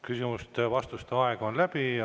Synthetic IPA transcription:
kysimust̪vɑst̪ust̪eɑeɡ̥onlæb̥i

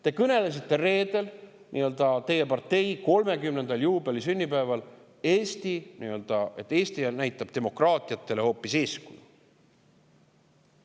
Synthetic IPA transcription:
t̪e̞kɤne̞les̬it̪ˑːe̞re̞ːd̪̥e̞l | nʔḭø̞ld̪ɑt̪e̞je̞pɑrt̪ːe̞jko̞lme̞kymne̞nd̪̥ɑljuːbe̞lisynʲːipæːvɑl | e̞ːsʲt̪iniø̞ld̪̥ɑe̞t̪ːˑe̞ːsʲt̪inæjt̪ːˑɑb̥t̪e̞mo̞krɑːt̪ˑiɑt̪ːˑe̞le̞ho̞ːpːˑise̞ːskuju

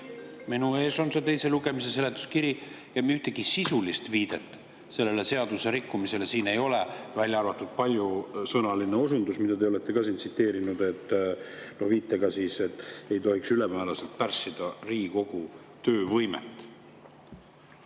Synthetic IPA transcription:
minue̞ːso̞nse̞t̪e̞jse̞luɡe̞mis̬e̞se̞le̞t̪ːˑu̥skiɾi | jɑmiyht̪eɡ̥isisulist̪viːd̪̥e̞t̪ːˑ | se̞lːe̞le̞se̞ɑd̪̥use̞ɾikːumise̞le̞siːne̞jo̞levælʲjɑrvɑt̪ːˑud̪̥̚pɑlʲjusɤnɑlineo̞sund̪usmid̪ɑd̪eole̞t̪ːˑe̞kɑsiːnsit̪ːˑe̞ːɾinud̪̥e̞t̪ːnoviːt̪ːˑe̞ɡɑsiːse̞t̪ːe̞jt̪o̞ɦiksylemæelɑse̞lt̪̚pærsːid̪̥ɑriːɡiko̞ɡ̥u | t̪øːvɤjmḛt̪ːˑ

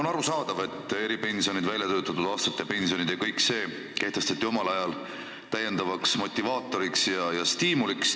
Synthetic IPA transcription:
onɑɾusɑːd̪̥ɑve̞t̪ːˑe̞ɾipe̞nsio̞nid̪vælʲjɑt̪øːt̪ˑːɑt̪ːud̪̥ɑːst̪ɑt̪ːˑjɑpe̞nsio̞nid̪̥jɑkɤjkse̞ː | ke̞ht̪e̞st̪ɑt̪ːˑio̞mɑlɑjɑl | t̪æje̞nd̪ɑvɑksmo̞t̪ʲːˑivɑːt̪ːˑo̞ɾiksjɑjɑst̪iːmuliks

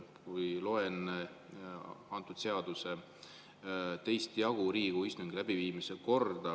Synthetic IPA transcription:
kujlo̞enːe | ɑnt̪ːˑud̪̥se̞ɑd̪̥use̞ | t̪e̞jst̪jɑɡ̥uɾiːɡ̥uist̪uŋɡ̥ilæb̥iviːmise̞ko̞rd̪̥ɑ

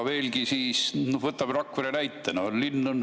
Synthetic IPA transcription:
ʋe̞ːlɡisiːsnovɤt̪ːɑmrɑkːʋeɾenæjt̪ːenollinːun

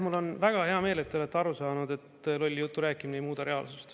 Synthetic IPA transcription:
mulːo̞nvæɡ̥ɑɦeɑme̞ːlet̪ːeoet̪ːeɑɾusɑːnud̪e̞t̪ːlo̞lʲːjut̪ːuɾæːkːˑiminejmuːd̪̥ɑɾe̞ɑ̰lsust̪

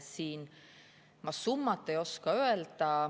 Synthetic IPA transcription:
siːn | mɑsumːɑt̪ːˑejo̞skɑøeld̪̥ɑ

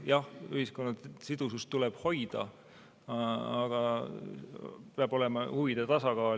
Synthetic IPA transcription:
jɑhyhisko̞nːɑsid̪̥usust̪ulɛb̥ho̞jd̪̥ɑ̰ | ɑɡ̥ɑ | peɑb̥o̞le̞mɑhuvid̪̥et̪ɑsɑɡ̥ɑːl

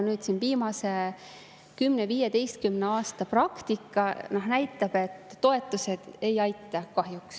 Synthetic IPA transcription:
nyːd̪̥sinviːmɑse̞ | kymneviːjed̪e̞jst̪̚kymneɑːst̪ɑprɑkt̪ikːɑnɑɦnæjt̪ˑːɑb̥e̞t̪ːo̞e̞t̪ːˑuse̞d̪̥e̞jɑjt̪ːˑɑkɑɦjuks

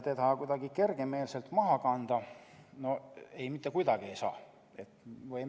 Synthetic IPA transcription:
t̪ed̪ɑkujd̪̥ɑɡ̥ike̞rɡ̥e̞me̞ːlse̞lt̪mɑɦɑkɑnd̪̥ɑno̞e̞jmit̪ːˑekujd̪ɑɡie̞jsɑ̰ː | e̞t̪vɤj

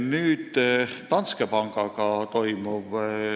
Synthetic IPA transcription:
nyːt̪t̪ɑnskepɑŋkɑkɑt̪oimuʋ

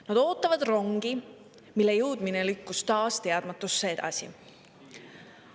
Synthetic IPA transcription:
nɑd̪̥o̞ːt̪ːˑɑvɑd̪ro̞ŋɡ̥i | milːe̞jɯwd̪minelykːust̪ɑːst̪e̞ɑd̪̥mɑt̪ːˑusːee̞d̪̥ɑ̰sḭ

